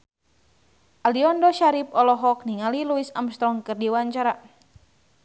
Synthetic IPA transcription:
ʔaliɔndɔʃaɾip̚ɔlɔɦɔk̚niŋaliluisamst̪ɾɔŋkɨrdiwaɲt͡ʃaɾa

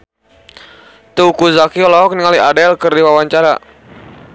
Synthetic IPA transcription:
t̪uukuzakiɔlɔɔk̚niŋaliadɛlkərdiwawaɲt͡ʃaɾa̰

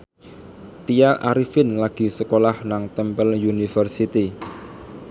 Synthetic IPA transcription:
t̪ijaʔa̰ɾifɪnlaɡ̥i̤səkolahnaŋt̪əmpəljunifərsit̪i

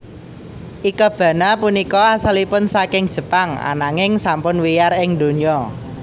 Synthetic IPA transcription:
ʔikɔb̥ä̤napunikɔasalipʊnsakɪŋd̥ʒ̥ə̤paŋa̰naŋɪŋsampʊnwijarɪŋd̪̥o̤niɔ

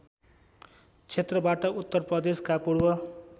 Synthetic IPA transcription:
t͡sʰet̪rʌbaʈʌut̪ːʌrprʌd̪eskapuɽwʌ

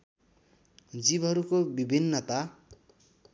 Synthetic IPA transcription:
d͡zibʌɾukobibʱinːʌt̪a

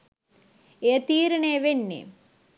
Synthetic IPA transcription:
eːt̪iːɾɐɳeʋenːḛ

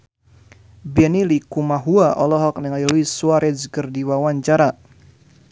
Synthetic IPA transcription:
bɛnilikumaɦuaʔɔlɔɦɔk̚niŋailuisuaɾɛd͡ʒkərdiwawaɲt͡ʃaɾa

